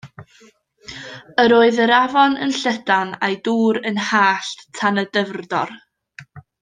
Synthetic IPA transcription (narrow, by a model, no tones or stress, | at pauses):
əɾoːɨðəɾavɔnə̰nɬədanajduːɾənhaːɬtʰanədəvrdɔr